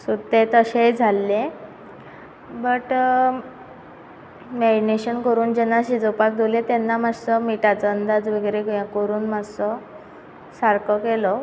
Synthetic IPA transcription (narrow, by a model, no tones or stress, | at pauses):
sut̪ːet̪əɕejd͡zʱalːẽ | bəʈ | meɖneɕənkəɾuːnd͡ʑenːaɕid͡zopak̚d̪ʱelet̪enːamad͡zsɔmiʈat͡sɔənd̪ad͡zʋəɡɾekjãkəɾuːnmad͡zsɔ | saɾkɔkelɔ